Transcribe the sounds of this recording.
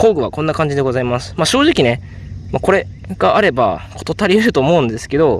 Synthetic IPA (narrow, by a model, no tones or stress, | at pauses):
ko̞ːɡɯ̟βa̰kõ̞nːakãɲ̟d͡ʑid̪e̞ɡo̞zaimasɨ̥maɕo̞ːʑikʲine̞ | mako̞ɾe̞ | ɡ̥aʔaɾe̞ba̰kot̪o̞t̪ːaɾʲiɯɾɯ̟t̪o̞ːmo̞ɯ̟̃nd̪e̞sɨ̥ke̞d̪o̞